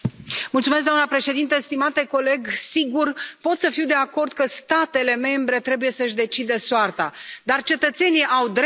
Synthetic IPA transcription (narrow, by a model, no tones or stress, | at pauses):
mult̪sumes̬ɡd̪oanəpɾe̞ʃe̞d̪int̪əst̪imat̪e̞ko̞le̞ɡsiɡurpo̞t̪səfiwd̪e̞ako̞rd̪kəst̪at̪e̞le̞me̞mbɾe̞t̪ɾe̞buje̞səɨʃd̪e̞t͡ʃid̪əsoart̪ad̪art͡ʃe̞t̪ət̪se̞niʔawd̪ɾ